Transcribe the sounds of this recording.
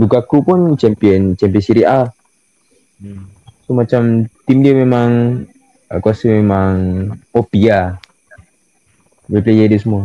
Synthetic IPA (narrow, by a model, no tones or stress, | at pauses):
bukakupʊnt͡ʃɛmpiɔnt͡ʃɛmpiɔnsiɾia | somat͡ʃamt̪imdiamemaŋ | akuasimemaŋopia | wiplejɛdiəsəmua